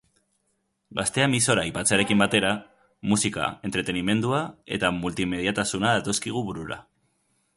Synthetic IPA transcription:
ɡast̪e̞amiso̞ɾaipat͡saɾe̞kimbat̪e̞ɾa | musika̰e̞nt̪ɾe̞t̪e̞nime̞nd̪uae̞t̪amult̪ime̞ðjat̪asunaðat̪o̞skiɣ̞uβuɾuɾa̰

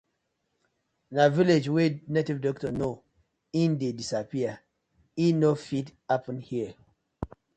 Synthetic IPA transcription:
naviled͡ʒwenetivdɔk̚tɔno | ĩndedisapia | inofitapɔ̃nhiə

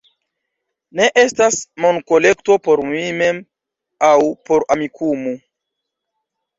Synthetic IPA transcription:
ne̞ʔe̞stasmo̞nko̞le̞kto̞po̞ɾmimem | awpo̞ɾamikʰumu

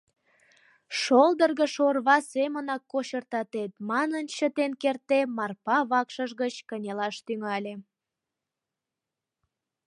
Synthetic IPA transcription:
ʃold̪ərɣəʃorβɑsemənɑkːoɕərt̪ɑt̪et̪mɑnənt͡ɕət̪enkert̪emɑrpɑβɑkʃəʒɣət͡ɕkənʲelɑʃt̪yŋɑlʲe

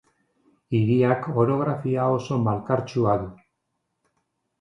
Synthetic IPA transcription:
iɾiako̞ɾo̞ɣ̞ɾafiao̞so̞malkaɾt͡ʃuaðu

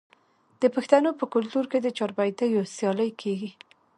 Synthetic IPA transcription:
d̪̥əpəxt̪anopəkʊlt̪uɾked̪ət͡ʃɑɾbajt̪ajosjɑləjkʰeɡi

